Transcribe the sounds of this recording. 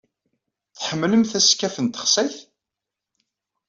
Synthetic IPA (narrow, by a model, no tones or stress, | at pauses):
θħəmːləmθæskːæfənt̪ə̥χsæjθ